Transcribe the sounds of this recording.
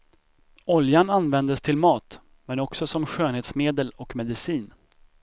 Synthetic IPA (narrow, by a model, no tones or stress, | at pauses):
ɔljananvɛnd̪əst̪ʰɪlmɑːt̪ | mɛnɔksɔsɔmɧøːnheːt̪smeːd̪əlɔkmɛd̪ɪsiːn